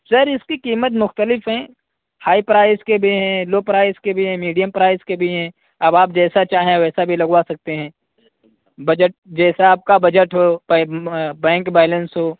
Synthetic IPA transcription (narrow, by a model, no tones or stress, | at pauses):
sɐɾɪskikiːmət̪mʊxt̪əlɪfɦɛ̃ː | haːipɾaːɪskebʱiɦɛ̃ːloːpɾaːɪskebʱiɦɛ̃ːmiːɖijəmpɾaːɪskebʱiɦɛ̃ː | ɐbaːp̚d͡ʒɛːsat͡ʃaːɦẽʋɛːsabʱilɐɡʋasɐk̚t̪eɦɛ̃ː | bɐd͡ʒəʈ̚d͡ʒɛːsaaːp̚kabɐd͡ʒəʈɦoːpːbɛ̃ːŋkbaːlənsɦoː